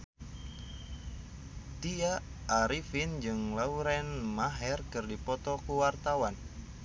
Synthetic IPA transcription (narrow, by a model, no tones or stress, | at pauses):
t̪iaː | ɾifind͡ʒɨŋlauɾɛnmaɦɛrkɨrdipɔt̪ɔkuwart̪awan